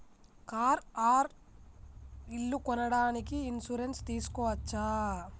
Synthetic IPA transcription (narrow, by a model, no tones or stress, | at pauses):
kaːɾaːɾ | ilːukɔnɐɽaːnikiːnsuɾenst̪iːsu̥kɔːʋɐt͡ʃːaː